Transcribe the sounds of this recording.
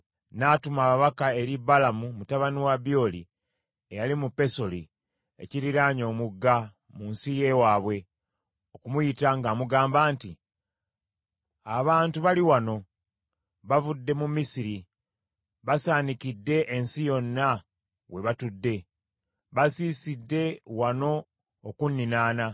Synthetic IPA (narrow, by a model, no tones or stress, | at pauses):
natumaβaβakae̞ɾibalamumutaβaniwabjo̞lḭ | ejalimupːe̞so̞li | ḛciɾiɾaɲo̞ːmuɡːa | munsije̞waːβwe̞ | o̞kumujitaŋɡaːmuɡaːmbaːnti | aβaːntuβaliwano̞ | βavudːe̞mumisiɾi | βasaːnikidːe̞ʔensijo̞nːa | we̞βatudːe̞ | βasiːsidːe̞wano̞ː | kunːinaːna